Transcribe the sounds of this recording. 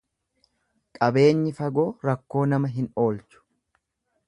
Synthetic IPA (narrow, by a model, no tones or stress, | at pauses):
kʼɐbe̞ːɲːɪfɐɡo̞ːɾɐkːo̞ːnɐmɐɦɪno̞ːlt͡ʃʊ̥